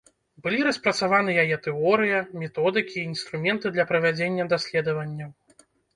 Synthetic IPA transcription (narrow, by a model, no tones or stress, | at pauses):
bɨlʲiɾɐspɾɐt̪savanɨjajɛt̪ɛɔɾɨjɐmʲɛt̪ɔd̪ɨkʲiːnst̪ɾumʲɛnt̪ɨd̪lʲɐpɾɐvʲad͡zʲenʲːɐd̪asʲlʲɛd̪ɐvɐnʲːɐ